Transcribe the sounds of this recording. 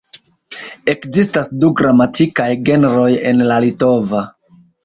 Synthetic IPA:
e̞kzistasduɡɾamatikajɡe̞nɾo̞je̞nlalito̞va

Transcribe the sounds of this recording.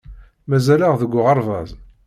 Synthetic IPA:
mæzælaʁðəɡʷːʊʁɑɾˤvɑzˤ

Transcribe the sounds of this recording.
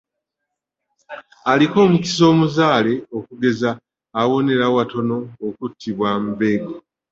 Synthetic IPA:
aliko̞ːmuki̥s̬o̞ːmuzaːle̞okuɡe̞zaː | wo̞ne̞ɾawato̞no̞ːkutʰːiβwamubeːɡo

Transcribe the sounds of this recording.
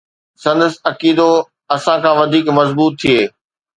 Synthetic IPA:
sɐ̃nd̪əsɪ̆ɐkiːd̪o | ɐsãkʰãːʋɐd̪ʱiːkmɐzbuːt̪ʰːijeː

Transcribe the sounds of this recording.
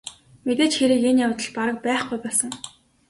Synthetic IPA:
met̪eːt͡ɕxeɾiːkenjawt̪ə̆ɮpaɾə̆k̚pæːχɡujpaːsə̆ŋ

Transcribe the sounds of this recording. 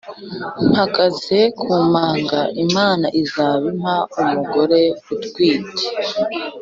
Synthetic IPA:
nhakaze̞kʰuːmaːŋɡaʔimaːnaʔizaːβimhaumuɡo̞ɾe̞utkwiːtʰe̥

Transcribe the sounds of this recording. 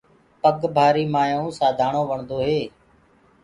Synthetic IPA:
pəɠbʱaːɾiːmaːjoũːsaːd̪ʱaːɳoːʋəɳd̪oːɦeː

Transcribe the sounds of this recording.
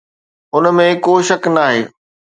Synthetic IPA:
ʊnmẽkoːɪʃɐknaːɦeː

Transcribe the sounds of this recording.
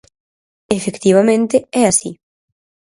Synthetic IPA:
efekt̪iβ̞amẽnt̪ɪɛasi

